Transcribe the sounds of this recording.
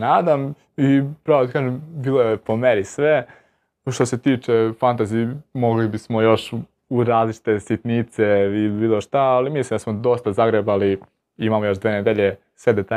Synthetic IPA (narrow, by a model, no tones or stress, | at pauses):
naːd̪am | ipɾaʋod̪akaːʒembiːlˠojepo̞meɾisʋe | ʃt̪o̞se̞t̪iːt͡ʃefant̪aziːmo̞ɡlibismojo̞ʃ | uɾaːzlit͡ʃi̥t̪e̞sit̪nit̪seiibiːlˠoʃt̪aːlimislimd̪asmod̪o̞st̪azaɡɾebali | imamojo̞ʃd̪veːned̪eʎe | sʋed̪et̪a